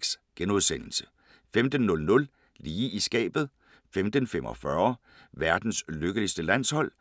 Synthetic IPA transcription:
sɡ̥enuðˠsen̰l̩sə̥ | femd̥ən̩ːɔ̽lnɔ̽l | liːʔisɡ̥ɛ̰ːb̥ð̩ˠ | femd̥ən̩fem̰ʔɒ̽fɶɐ | ʋæɐd̥n̩sløɡ̥əlisd̥əlæn̰shɒ̽l̰

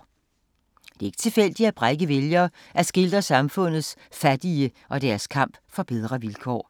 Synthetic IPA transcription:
d̥e̝e̝ɡ̥ə̥t͡sʰe̝lfel̰d̥iæb̥ʁaɡ̥əʋeljɐː | ʔæsɡ̥e̝ld̥ɐsɑ̈mfɔ̽n̰ð̩ˠsfæd̥iəʔɒ̽d̥æɐskʰɑ̈m̰b̥fɒ̽b̥eð̞ˠʁɐʋilkʰɒ̰ː

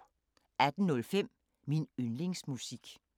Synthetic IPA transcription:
æd̥n̩nɔ̽lfem̰ | minønle̝ŋsmusiɡ̥

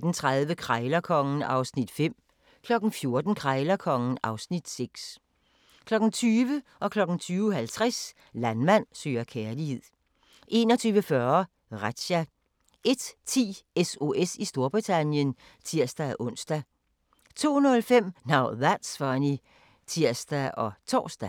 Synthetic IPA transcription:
d̥n̩t͡sʰʁaðˠʋəkʰʁɑɪlɐkʰɒ̽ŋn̩ɑ̈ʊsnid̥fem̰ | kʰlɒ̽ɡ̥n̩fjo̝ɐd̥n̩kʰʁɑɪlɐkʰɒ̽ŋn̩ɑ̈ʊsnid̥seɡ̥s | kʰlɒ̽ɡ̥n̩t͡sʰyːʋəʔɒ̽kʰlɒ̽ɡ̥n̩t͡sʰyːʊɦælt͡sʰʁas | lænmæn̰sø̰ːɐkʰeɐlihe̝ð̰ˠ | ʔe̝̰ːnɒ̽t͡sʰyːʋəfɶɐɐ | ʁad̥ɕæ | ʔe̝d̥t͡sʰḭːeso̝ʔesisd̥o̝ɐb̥ʁit͡sʰænjən | t͡sʰiɐ̰sd̥æʔɔ̽n̰sd̥æ | t͡sʰo̝̰ːnɔ̽lfem̰nɑ̈ʊ̰ðæd̥sfɑni | t͡sʰiɐ̰sd̥æʔɒ̽t͡sʰɒ̰ːsd̥æ

